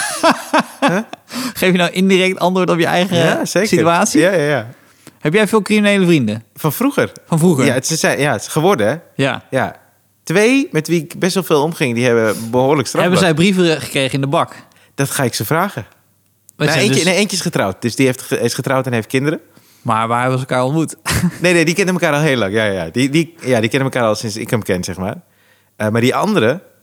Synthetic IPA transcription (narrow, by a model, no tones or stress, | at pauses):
χeːfjənɔwʔɪndirɛk̚tɑntʋoːɹtɔpjəɛ̰jɣəseːksityaːtsijajaja | hɛp̬jɛjfɪːlˠkriminejləfrindəfɔnfruɣərfɔnfruxəjasəsɛjasχəʋɔrdəɛja̰ja̰ | tʋeːmɛtʋiɪkbɛsʋɪlˠfeːlˠomχɪŋdihɛbəbəhoːdələkstrɑhɛbəzɛjbrivəχə̥kreːɣəɪndəbɑk | d̥ɔtxaɪksəfraːɣə | neəneeːncəɪsχətrawt̚d̥øsdiheftəɪsχətrawtɛnɦeft̚kɪndəɾə | maʋaːɛbɔsəlˠkaːɔlˠmutnejnedikɛndəməkaːɾɔlˠɦeːlɑŋjajaja̰didijadikɛndəməkaːɾɔlˠsɪnsɪ̰kəmkɛnsɛxma̰ːr | əmardiʔɔndəɾə